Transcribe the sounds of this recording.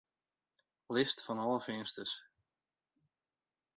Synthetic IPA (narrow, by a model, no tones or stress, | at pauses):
lɪstfɑnɑlˠəvɪnstəs